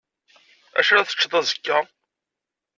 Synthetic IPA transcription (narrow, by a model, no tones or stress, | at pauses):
æ̰ʃæɾæθə̥t͡ʃːðˤɑzə̥kːæ